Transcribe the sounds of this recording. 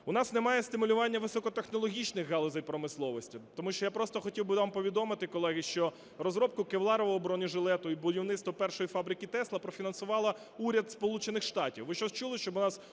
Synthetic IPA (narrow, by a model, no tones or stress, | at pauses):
ʊnɑsnemɑjɛst̪ɪmʊlʲʊʋɑnʲːɐʋɪsɔkɔt̪exnɔlˠɔɦʲit͡ʃnɪxɦɑlˠɔzɐjpɾɔmɪslˠɔʋɔsʲtʲit̪ɔmuʃt͡ʃɔjapɾɔst̪ɔxɔtʲiwbɪɑmpɔʋʲid̪ɔmɪt̪ɪkɔlˠɛɦɪʃt͡ʃɔ | rɔzɾɔp̚kʊkewlˠɑɾɔʋɔːbɾɔnʲiʒɪlˠɛt̪ʊibʊdʲiwnɪt̪st̪ʋɔpɛrʃɔjifɑbɾɪkʲit̪ɛslˠɐpɾɔfʲinɐnsʊʋɑlˠɐ | uɾʲɐd̪spɔlˠut͡ʃenɪxʃt̪ɑtʲiwʋɪʃt͡ʃɔst͡ʃulˠɪʃt͡ʃɔbʊnɑs